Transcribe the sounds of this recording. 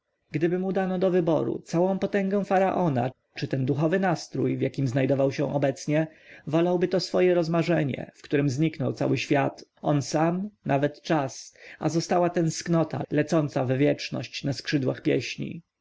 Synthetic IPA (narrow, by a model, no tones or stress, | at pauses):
ɡd̪ɘbɘmud̪anɔd̪ɔvɘbɔ̰ɾṵt̪sawɔ̃w̃pɔt̪ɛŋɡɛ̃w̃faɾaʔɔna̰ | t͡ʂɘt̪ɛnd̪uxɔvɘnast̪ɾṵjvjakʲimznajd̪ɔvawɕɛ̃ʔɔbɛt̪sɲɛ | vɔlawbɘt̪ɔsfɔjɛɾɔzmaʐɛɲɛ̰fkt̪uɾɘmzɲiknɔwt̪sa̰wɘɕfʲjat̪ɔnsamnavɛt̪t͡ʂasa̰zɔst̪awat̪ɛnsknɔt̪ʰa̰lɛt̪sɔnt̪savvʲjɛt͡ʂnɔ̰ɕt͡ɕnaskʂɘd̪waxpʲjɛ̰ɕɲḭ